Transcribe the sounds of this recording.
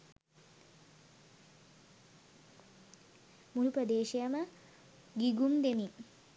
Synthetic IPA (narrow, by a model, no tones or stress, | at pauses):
muluprəd̪eːʃijamə | ɡiɡumd̪emiŋ